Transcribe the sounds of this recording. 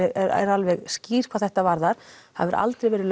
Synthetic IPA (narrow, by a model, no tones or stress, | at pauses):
ɛɾɾalvɛɣsciːr̥kʰawθɛht̪avaɾðaɾ̥havɪɾʔa̰lt̪ɾɛjvɛːɾɪl